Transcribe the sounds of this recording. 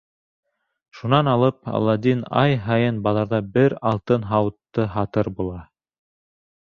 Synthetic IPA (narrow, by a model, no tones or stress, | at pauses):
ʃunɑnɑlˠɤp̚ɑ̰lˠːɑd̪ʲinɑ̰jɦɑjɤnbɑlˠɑɾðɑbɘɾɑlˠt̪ɤnɦɑwɤt̪ːɤɦɑt̪ɤɾbulˠɑ